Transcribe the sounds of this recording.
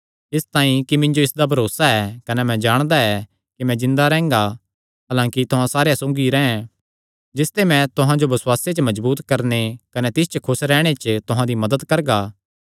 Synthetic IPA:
ɪst̪aːĩkimɪ̃ɲd͡ʒoɪsd̪abʱɐɾoːsaɛkɐnɛmɛ̃d͡ʒaːɽ̃d̪aɛ | kimɛ̃zɪ̃nd̪aɾɛ̃ːŋɡa | ɦaːlãːkit̪ʊɦãsaːɾejasõːɡiɾɛ̃ːɛ̃ | d͡ʒɪst̪emɛ̃t̪ʊɦãd͡ʒobɐswaːset͡ʃəmɐzbuːt̪kɐɾnekɐnɛt̪ɪst͡ʃəkʰʊsɾɛːɽ̃et͡ʃt̪ʊɦãd̪imɐd̪əd̪kɐɾɡaː

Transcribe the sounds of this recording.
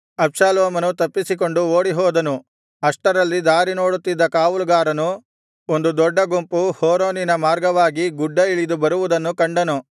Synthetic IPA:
ɐbʃaːlɔːmɐnut̪ɐpːisik̬o̞ɳɖuo̞ːɽiɦɔːd̪ɐnu | ɐʂʈɐɾɐlːid̪aːɾino̞ːɽut̪ːid̪ːɐkaːʋulɡaːɾɐnu | ond̪ud̪ɔɖːɐɡumpuhoːɾoːninɐmaːɾɡɐʋaːɡiɡuɖːɐiɭid̪ubɐɾuʋud̪ɐnːukɐɳɖɐnu

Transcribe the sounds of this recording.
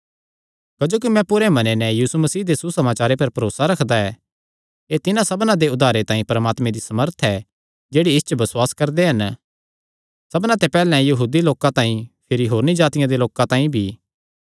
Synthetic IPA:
kɐd͡ʒoːk̬imɛ̃pʊɾemɐnenɛjiːsumɐsiːd̪esusɐmaːt͡ʃaːɾepɐɾpɐɾoːsaɾɐkʰd̪aɛ | eːt̪ɪnãsɐbnãd̪eʊd̪ʱaːɾet̪ãːĩpɐɾəmaːt̪mẽd̪isɐməɾt̪ʰɛ | d͡ʒeːɽiɪst͡ʃəbɐswaːskɐɾd̪eɦɐn | sɐbnãt̪epɛːlɛ̃jɐɦuːd̪iloːkãt̪ãːĩpʰɪɾiɦoːɾnid͡ʒaːt̪ɪjãd̪eloːkãt̪ãːĩbʱiː

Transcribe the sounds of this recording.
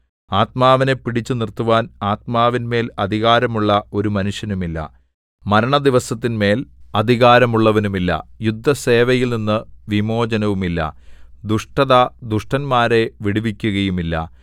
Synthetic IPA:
aːt̪maːʋɐne̞pːiɽit͡ɕːɨnirt̪ːuʋaːnaːt̪̚maːʋinme̞ːlɐd̪ʱiɣaːɾɐmuɭːɐo̞ɾumɐnuʂjɐnumilːɐ̰ | mɐɾɐɳɐd̪iʋɐsɐt̪ːinme̞ːlɐd̪ʱiɣaːɾɐmuɭːɐʋɐnumilːɐ̰jud̪ʱːɐse̞ːʋɐjilninːɨʋimo̞ːd͡ʑɐnɐʋumilːɐ̰d̪uʂʈɐðad̪uʂʈɐnmaːɾe̞ʋiɽuʋikʲːuɣɐjumilːɐ̰

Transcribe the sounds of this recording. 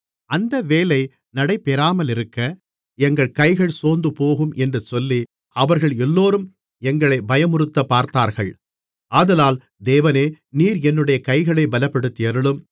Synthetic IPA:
ɐnd̪ɐʋeːlɐɪ | nɐɽɐɪpːɛɾaːmɐlɪɾɯkːɐ | ɛŋɡɐɭkɐɪɣɐɭsoːnd̪ɯpoːɣɯmʔɛndrɯsɔlːi | ɐʋɐɾɣɐɭɛlːoːɾɯm | ɛŋɡɐɭɐɪbɐjɐmʊɾɯt̪ːɐpːaːɾt̪aːɾɣɐ̰ɭ | ʔaːðɐlaːl | d̪eːʋɐneː | niːɾɛnːɯɽɐjɐkɐɪɣɐɭɐɪbɐlɐpːɐɽɯt̪ːɪjɐɾɯɭɯm

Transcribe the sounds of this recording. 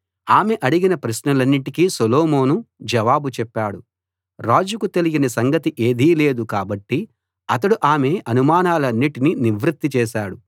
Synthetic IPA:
aːme̞ʔɐɽiɡinɐpɾɐsnɐlɐnːiʈikiːsoloːmo̞ːnud͡ʒɐʋaːbut͡ʃɛpːaːɽu | ɾaːd͡ʒukut̪e̞liɡinɐsɐŋɡɐt̪iʔeːd̪iːle̞ːd̪ukaːbɐʈːi | ɐt̪ɐɽuʔaːme̞ɐnumaːnaːlɐnːiʈininiʋɾit̪ːit͡ʃɛːʃaːɽu

